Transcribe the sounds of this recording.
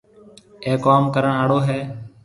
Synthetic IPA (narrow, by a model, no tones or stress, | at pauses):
eːkoːmkəɾəɳaːɽoːɦɛː